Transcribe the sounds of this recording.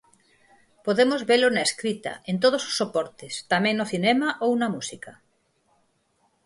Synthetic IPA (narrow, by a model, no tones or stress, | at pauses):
poðemozβelonaeskɾit̪ɐ̰ẽnt̪̬oð̞oso̥sːopɔɾt̪est̪amẽŋnoθinɛmaʔownɐmusikɐ